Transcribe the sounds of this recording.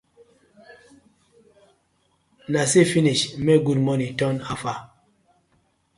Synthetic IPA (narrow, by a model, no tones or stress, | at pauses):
nasefiniʃmɛɡudmɔnitɔnafa